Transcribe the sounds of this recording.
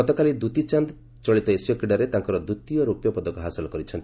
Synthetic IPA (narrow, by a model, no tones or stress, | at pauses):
ɔt̪ɔkalid̪ut̪it͡ʃand̪ | t͡ʃɔɭit̪ɔesjɔkiɽaɾet̪aŋkɔɾɔd̪ut̪ijɔɾupjɔpɔd̪ɔkɔɦasilɔkɔɾit͡ʃʰɔnt̪